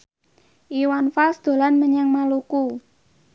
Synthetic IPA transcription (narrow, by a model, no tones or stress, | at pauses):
ʔiwanfasd̪̥o̤lanməɲaŋmaluku